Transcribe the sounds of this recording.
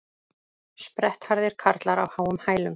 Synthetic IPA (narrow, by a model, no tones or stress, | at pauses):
spɾɛht̪haɾðɪɾ̥kʰaɾt̪laɾawhaːwʏmhaːjlʏm